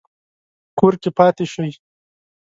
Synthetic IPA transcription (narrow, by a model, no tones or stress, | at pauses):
koːɾkepɑːt̪eʃəj